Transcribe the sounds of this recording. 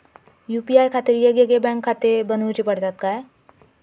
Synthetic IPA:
jupiaːjkʰaːt̪eɾjeɡeɡebɛ̃ŋkʰːaːt̪ebənut͡ʃipɐɽt̪at̪̚kaɦe

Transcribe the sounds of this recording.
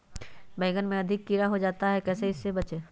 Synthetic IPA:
bɛ̃ːɡənmẽɐd̪ʱɪkːiɾaɦod͡ʒaːt̪aɦɛkɛːseɪsːebɐt͡ʃeː

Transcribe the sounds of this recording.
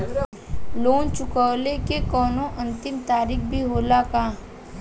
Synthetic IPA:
loːnt͡ʃʊkaːlekekɔːnõʔɐ̃nt̪ɪmt̪aːɾiːkbʱiɦoːlakaː

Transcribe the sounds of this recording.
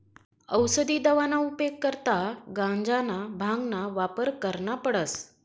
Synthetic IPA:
əwsəd̪iːd̪əʋanaupekːəɾt̪aɡãɲd͡zanabʱãŋɡnaʋapəɾkəɾɳapəɽəs

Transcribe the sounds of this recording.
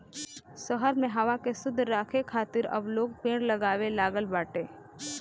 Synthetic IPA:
səɦəɾmẽɦɐʋakesʊd̪ʱːɾaːkʰekʰaːt̪ɪɾɐ̰bloːɡ̚pẽːɽlɐɡaːʋelaːɡəlbaːʈẽː

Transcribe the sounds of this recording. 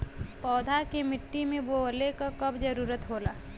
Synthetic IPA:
pɔːd̪ʱakemɪʈːimẽboəlekakɐbd͡ʒəɾuːɾət̪ɦoːla̰ː

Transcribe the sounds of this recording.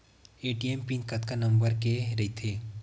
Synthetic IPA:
eːʈiempinkɐt̪kanɐ̃mbəɾkeɾɐit̪ʰeː

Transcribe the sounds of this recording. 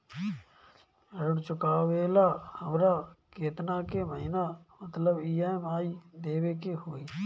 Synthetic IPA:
əɾʊɽt͡ʃʊkaːʋeːlaːhəmɾaːkeːt̪naːkeːməɦɪnaːmət̪ləbiːaːmaːiːd̪eːʋeːkeɦoːiː

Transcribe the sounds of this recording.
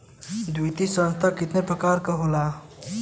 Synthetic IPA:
d̪ujt̪isənst̪ʰakit̪nepɾəkaɾkʌɦola

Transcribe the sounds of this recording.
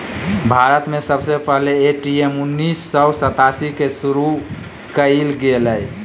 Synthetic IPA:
bʱaɾət̪mesəbsepəɦleːʈiemunːisːəwsət̪asikesuɾu | kəilɡeləj

